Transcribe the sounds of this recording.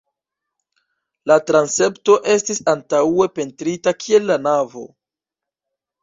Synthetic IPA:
latɾanse̞pto̞ʔe̞stisantawe̞pe̞ntɾitakʰie̞lːanavo̞̰

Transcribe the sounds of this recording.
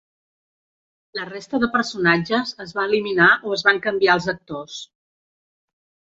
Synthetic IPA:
lərest̪əðəpəɾsunad͡ʒəzəzβaəliminaʔoəzβaŋkəmbiaəlˠzək̚t̪os

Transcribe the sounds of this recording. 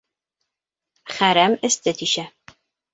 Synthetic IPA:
χɐɾɐmɨstʰɨtʰiʃɐ

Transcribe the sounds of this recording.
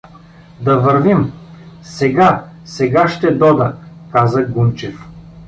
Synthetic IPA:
d̪ɐvɐɾvimsɛɡasɛɡaʃt̪ɛd̪ɔd̪əkazəɡumt͡ʃɛf

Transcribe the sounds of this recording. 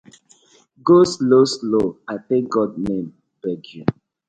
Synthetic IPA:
ɡoslosloaθɛ̃ŋk̚ɡɔdnẽm | b̥ɛɡiã

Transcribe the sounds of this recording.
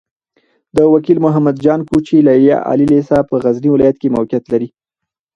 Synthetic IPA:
d̪əwakilmʊɦamad̪d͡ʒɑnkut͡ʃilaja̰ʔɑ̰lilesapəɣazniwɪlɑjat̪kemawkjat̪laɾi

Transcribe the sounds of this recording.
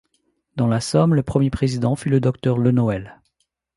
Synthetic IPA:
d̪ɑ̃lasɔmləpχəmjepχezid̪ɑ̃fyləd̪ɔkt̪œʁlənɔɛl

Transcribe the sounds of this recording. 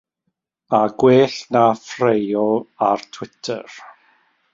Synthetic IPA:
aɡweːɬnafrejɔartʰw̥ɪtʰə̰r

